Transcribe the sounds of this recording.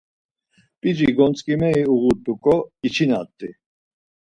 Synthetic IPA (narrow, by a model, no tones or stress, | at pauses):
pʼid͡ʒiɡɔnt͡sʼkʼimɛiuɣut̪ʼːukʼɔit͡ʃʰina̰t̪ʼːi